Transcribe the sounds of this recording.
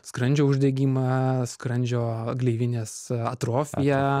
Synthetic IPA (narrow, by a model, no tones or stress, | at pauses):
skɾɐnʲd͡ʒʲoːʊʒʲd̪ʲɛɡʲiːmɐskɾɐnʲd͡ʒʲoːɡlʲɛɪʋʲɪnʲeːsɐ̰t̪ɾoːfʲɪjɛ